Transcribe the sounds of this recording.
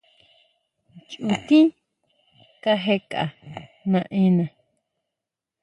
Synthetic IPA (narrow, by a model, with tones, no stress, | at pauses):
t͡ʃʼu˨t̪i˦n | ka˧ɦe˧kʼa̰˨nã˧ʔẽ˦nã˨